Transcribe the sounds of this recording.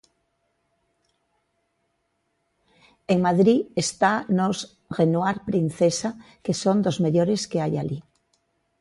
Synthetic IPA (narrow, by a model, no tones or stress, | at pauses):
eŋmaðɾiest̪anoz | ɣenwaɾpɾin̟θesa | kesond̪ozmeʎoɾeskeajali